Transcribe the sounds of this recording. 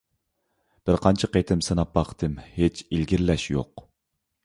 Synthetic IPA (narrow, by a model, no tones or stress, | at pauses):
b̥ɪɾqʰɑnt͡ʃʰɑqejt̪ʰɪmsɨnɑpːɑqt̪ʰɨmhet͡ʃʰilɡʲiɾlɛʃjo̰q